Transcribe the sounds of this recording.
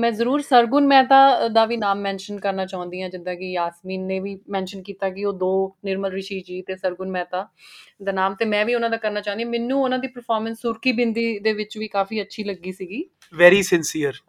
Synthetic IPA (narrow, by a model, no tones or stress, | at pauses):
mɛ̃ːzəɾuːɾsəɾɡʊnmɛ̃ːt̪aːd̪aːʋiːnaːmːɛ̃ːnʃənkəɾnaːt͡ʃaːɦʊ̃nd̪iːãːd͡ʒɪnd̪ãːkɪjaːsmiːnːeːʋiːmɛ̃ːnʃənkiːt̪aːkɪoːd̪oːnɪɾməlɾɪʃiːd͡ʒiːt̪eːsəɾɡʊnmɛ̃ːt̪aːd̪aːnaːmt̪eːmɛ̃ːʋiːʊnãːd̪aːkəɾnaːt͡ʃãːʊ̃nd̪ĩjãːmɛːnːũːʊnãːd̪iːpəɾpʰɔːɾmə̃nsːʊɾkiːbɪnd̪iːd̪eːʋɪt͡ʃʋiːkaːfiːətːʃʰiːləɡːiːsiːɡiː | ʋɛːɾiːsɪnsiːəɾ